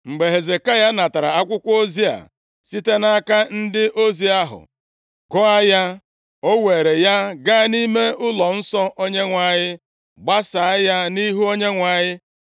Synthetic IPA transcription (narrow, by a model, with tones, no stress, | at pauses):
ŋ͡m̩˨ɡ͡be˨ɦe˨ze˨ka˦ja˦na˨ta˨ɾa˨a˦kʷʊ˦kʷo˦zi˦a̰˨ | si˦te˦na˦ka˦n̩˦dɪ˦ʔo˦zi˦a˦ɦʊ̰˨ | ɡɔ˦a˦ja˦ | o˦we˨ɾe˨ja˦ɡa˦ni˦me˦ʔʊ˦lɔ˨n̩˦sɔ˦ʔo˦ɲe˦ŋʷa˨ɲɪ˦ | ɡ͡ba˦sa˨a˦ja˦ni˦ɦu˦o˦ɲe˦ŋʷa˨ɲɪ˦